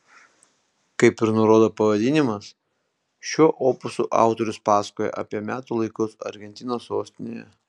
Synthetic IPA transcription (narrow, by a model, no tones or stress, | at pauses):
kɐɪpɪɾnʊɾoːd̪oːpɐʋɐd̪ʲɪnʲɪmɐs | ʃʲuɔʔoːpʊsuːʔɑ̰ˑʊt̪oɾʲʊspɑːsɐ̥koːjɛ̰ʔɐ̰pʲiɛmʲæːt̪uːlˠɐɪkʊsɐ̰ɾʲɡʲɛnʲt̪ʲɪnoːsoːsʲt̪ʲɪnʲeːjɛ̰